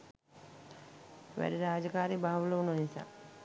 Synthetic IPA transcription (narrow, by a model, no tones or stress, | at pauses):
ʋæ̰ɾiɾaːd͡ʒɐkaːɾibaːʋuləʋunonisa̰ː